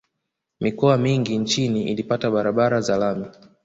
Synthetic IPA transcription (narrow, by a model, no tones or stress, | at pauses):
mikɔamiŋɡint͡ʃiniḭlipataɓaɾaɓaɾazalami